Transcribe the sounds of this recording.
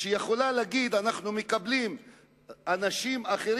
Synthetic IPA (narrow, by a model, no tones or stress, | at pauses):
ʃejeχo̞laleaɡid̪anaχnumekablim | anaʃimaχe̞ɾ